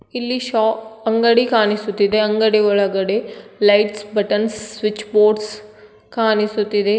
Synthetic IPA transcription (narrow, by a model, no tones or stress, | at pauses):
ilːiʃaːɐŋɡɐɽikaːnisut̪ːid̪eɐŋɡɐɽiɔɭɐɡɐɽelɐjʈsbɐʈɐnsːʋit͡ʃːboːʈs | kaːnisut̪ːid̪e